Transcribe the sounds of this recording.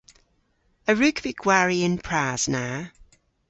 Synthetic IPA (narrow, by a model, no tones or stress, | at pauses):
əɹʉˑkv̥ɪɡʰwaːɹiɪ̃npʰɹ̥aːz̥na